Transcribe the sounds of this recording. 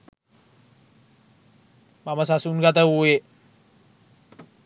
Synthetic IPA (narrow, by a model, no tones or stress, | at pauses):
mamas̬asunɡat̪əue